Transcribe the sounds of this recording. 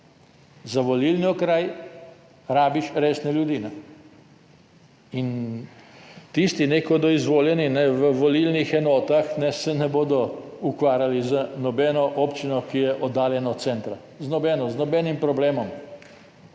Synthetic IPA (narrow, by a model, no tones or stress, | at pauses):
zaʋɔlilniɔkɾaj | ɾaːbiʃɾeːsnɛljud̪iːnɛ | in | t̪ist̪inekɔd̪ɔizʋoːljɛninɛʋəʋɔlilnixɛnɔːt̪axnɛsɛnɛboːd̪ɔukʋaːɾjalizanɔbɛːnɔʔɔpt͡ʃinɔkijɛʔɔd̪ːaːljɛnɔt̪sɛnt̪ɾa | znɔbɛːnɔznɔbɛnimpɾɔbleːmɔm